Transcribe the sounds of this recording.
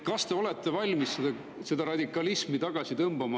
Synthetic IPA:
kɑst̪e̞o̞le̞t̪ˑːe̞vɑlʲmisːed̪̥ɑ | se̞d̪̥ɑɾɑd̪ikːˑɑlismit̪ɑɡ̥ɑsit̪ɤmbɑmɑ

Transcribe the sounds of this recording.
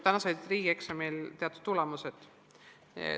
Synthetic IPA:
t̪ænɑsɑjd̪riːɡ̥eksemejlt̪eɑt̪ːˑud̪̥t̪ːulɛmuset̪

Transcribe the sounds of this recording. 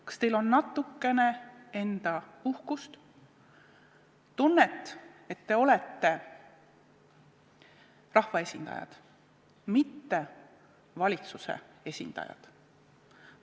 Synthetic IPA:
kɑ̥st̪e̞jlo̞nːɑt̪ːˑukːe̞ne̞e̞nd̪̥ɑuhkust̪ | t̪unːet̪ːˑe̞t̪ːe̞o̞lɛt̪ːe̞ | rɑhvɑe̞sʲind̪ɑ̰jɑ̰d̪̥ | mit̪ːe̞ | vɑlʲit̪susḛe̞sʲḭnd̪̥ɑ̰jɑ̰d̪̥

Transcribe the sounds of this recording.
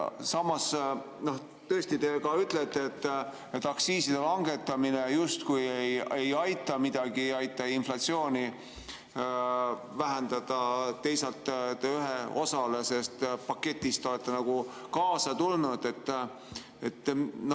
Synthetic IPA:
sɑmɑs | no̞h | t̪ɤst̪it̪e̞kɑyt̪let̪ːeet̪ː | et̪ːˑɑksiːsid̪̥elɑŋɡe̞t̪ːˑɑminejust̪kujejejɑjt̪ːˑɑmid̪̥ɑɡ̥iɑjt̪ːˑɑinflɑt̪sio̞ːnʲi | væɦend̪̥ɑd̪̥ɑːe̞jsɑlt̪ːt̪eyɦeo̞sɑle̞se̞st̪pɑkːe̞t̪ʲːˑist̪o̞let̪ˑːenɑɡ̥ukɑːsɑt̪ulnud̪̥e̞t̪ː | et̪ːno

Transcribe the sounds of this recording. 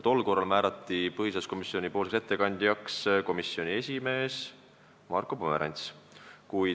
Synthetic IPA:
t̪o̞lːko̞rːɑlmæːɾɑt̪ːˑipɤhisesko̞misːio̞nʲipo̞ːlsekse̞t̪ːe̞kɑnʲd̪̥jɑksko̞misːio̞nʲie̞sʲime̞ːs | mɑ̰rkˑopomeɾʔɑ̰nʲt̪s | kuj

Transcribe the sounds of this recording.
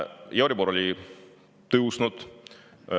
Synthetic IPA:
jɑɾiboɾo̞lʲi | t̪ɤwsnud̪̥

